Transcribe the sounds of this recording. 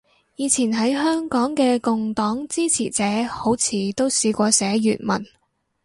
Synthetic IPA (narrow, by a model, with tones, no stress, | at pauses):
jiː˨˧t͡sʰiː˨˩nɦɐ˨˥jɦœː˥ŋkɔː˨˥ŋkɛː˧kʊ˨ŋt̪ɔː˨˥ŋt͡siː˥t͡sʰḭː˨˩t͡sɛː˨˥ho˨˥wt͡sʰiː˨˩t̪o˥wsiː˨˧kʷɔː˧sɛː˨˥jy̰ː˨˩t̚mɐ̰˨˩n